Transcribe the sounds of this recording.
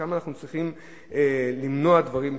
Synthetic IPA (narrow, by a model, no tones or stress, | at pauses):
amanaχnut͡sʁiχim | elimnoad̪vaʁim